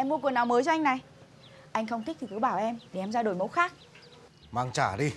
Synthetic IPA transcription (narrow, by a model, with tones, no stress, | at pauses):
ʔɛ˧mu˧ku˨˩ənːɔ˨˦wməː˨˦jt͡ɕɔ˧a˧jŋ̟na˨˩j | ʔa˧jŋ̟xə˧wŋ͡mt̪ʰi˦˥k̚t̪ʰi˨˩kɨ˨˦ɓaː˧˩wʔɛ˧mɗe˧˩˨ʔɛ˧mzaː˧ɗo˨˩jmo˨˦t̚xaː˦˥k̚ | maː˧ŋt͡ɕaː˧˩ɗi˧